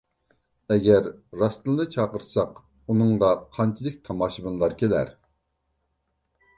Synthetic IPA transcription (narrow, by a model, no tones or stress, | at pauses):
ɛɡʲɛɾːɑst̪ɨnˠd̪ɨt͡ʃʰɑːqəɾsɑq | unɨŋd̪ɑqʰɑnt͡ʃʰilˠɪkʲt̪ʰɑmɑːʃɨbɨnlˠɑɾkʲʰelæ̰ɾ